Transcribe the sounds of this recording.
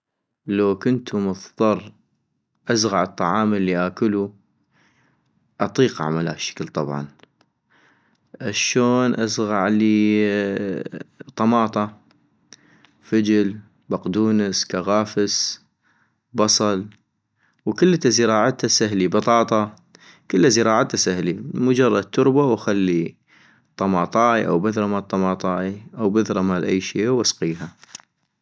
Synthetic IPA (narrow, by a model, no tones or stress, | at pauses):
lawkʊnt̪ʰumʊθðˤɑrˤ | ʔazɣɑʕɨt̪ˤːɑʕɑːməlːiʔakʊlu | ʔɑt̪ˤiːqaʕa̰mala̰ʃːḁklt̪ˤɑbʕɑ̰n | ʔaʃoːnʔazɣaʕliː | t̪ˤːɑmɑːt̪ˤɑ | fad͡ʒɪl | baqd̪uːnəskaɣaːfəs | bɑsˤɑl | wkɪlːt̪azəɾɑːʕat̪asaɦlibɑt̪ˤɑːt̪ˤɑ | kəlːazəɾˤɑːʕat̪ːasahlimʊd͡ʒɑrˤːɑd̪̚t̪ʰːʊɾbawaxalːi | t̪ˤɑmɑːt̪ˤɑːiʔa̰wbaðɾˤɑmat̪ˤːɑmɑːt̪ˤɑːiʔawbaðɾˤɑmalʔajːʃiːwʔɑsqiːɦa